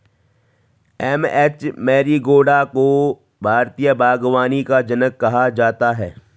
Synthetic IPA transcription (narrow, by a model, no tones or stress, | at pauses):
ɛːmɛːt͡ʃmɛːɾiɡoːɖako | bʱaːɾt̪ijəbʱaːɡwaːnikad͡ʒɐnəkːɐɦad͡ʒaːt̪aɦɛː